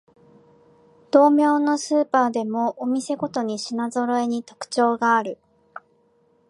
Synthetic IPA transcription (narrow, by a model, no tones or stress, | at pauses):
d̪̥o̞ːmʲjo̞ːno̞sɨːpaːd̪e̞mo̞ʔːmʲise̞ɡo̞t̪o̞ɲ̟iɕinazo̞ɾo̞e̞ɲ̟it̪o̞̥kɯ̟̥t͡ɕo̞ːɡaːɾɯ̟